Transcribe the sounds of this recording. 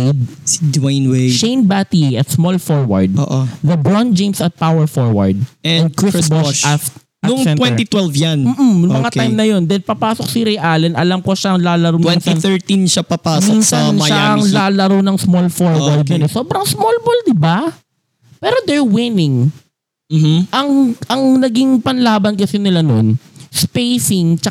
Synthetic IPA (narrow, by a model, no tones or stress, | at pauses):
d̪̚ | sidwajnweʃejnbat̪iɐt̪smolfoɹwɐ̰ɹd̪̚o̰ːʔoðɐbɹɔnd͡ʒẽjmsɐt̪̚pawɛɹfoɹwɐ̰ɹd̪̚ɛ̃ɛ̃n̚kɹɪbɔa | nɐʊŋtɛ̃nwɛnt̪it̪wɛlvjanm̩ːʔ̩mɐŋak̪ajmnɐjo̞nd̪ɐlpɐpaːsok̚sɪɾɛjʔalɛnʔɐlamkoʃaɐŋlaːlɐɾowmwɛnsiθɛɹt̪inʃapɐpaːminsɐaɐŋlaːlɐɾownɐŋsmolfoɹwɐɹd̪̚jonɛsoːbɾɐŋsmolbold̪ɪba | pɛːɾod̪ɛɹwɪnɪŋ | m̩ʔɐŋʔɐŋnɐɡiŋpɐnlaːbɐnkɐsɪnɪlanonspejsɪŋt͡ʃɐ